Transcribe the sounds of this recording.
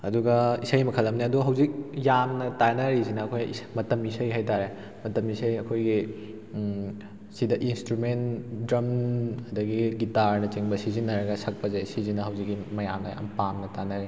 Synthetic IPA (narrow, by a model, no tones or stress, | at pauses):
ɐduɡɐisɐjmɐkʰɐlːɐmniɐduɡɐɦɐwzik̚jamnɐtanɐɾizinɐːkʰojismɐtɐmisɐjɦajtaɾe | mɐtɐmisɐjɐkʰojɡi | sidɐʔinstɾumentdɾɐmɐdɐɡiɡitaɾnɐt͡ʃiŋbɐsizinːɐɾɐɡɐsɐk̚pɐzejsizinɐɦɐwzikːimɐja̰mnɐ̰ja̰mpamnɐtanɐɾi